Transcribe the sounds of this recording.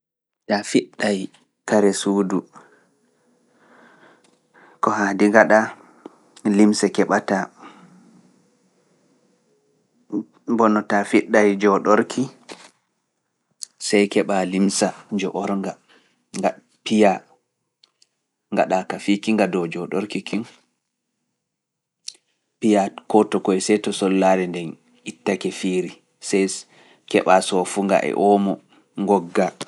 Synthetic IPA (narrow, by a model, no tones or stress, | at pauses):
tafiɗːaj | kaɾɛsuːdu | kɔhadiŋɡaɗa | limsakɛɓata | bɔnɔtafiɗːajd͡ʒɔɗɔɾkʰi | sajkɛɓalimsad͡ʒɔʔɔɾŋɡa | ŋɡa | pija | ŋɡa̰ɗakafikiŋɡadɔd͡ʒɔɗɔɾkikin | pijakɔtɔkɔɛsɛtɔsɔlːaɾɛndɛn | itːakɛfiːɾi | sɛj | kɛɓasɔfuŋɡa̰ʔɛ̰ʔɔmɔ | ŋɡɔɡːa